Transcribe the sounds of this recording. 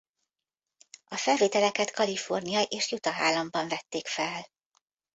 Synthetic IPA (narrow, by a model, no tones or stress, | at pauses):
ɒfɛlveːt̪ɛlɛkɛt̪kɒlifo̞rnijɒjʔeːʃjut̪ɒɦaːlːɒmbɒɱvɛt̪ːeːkfɛl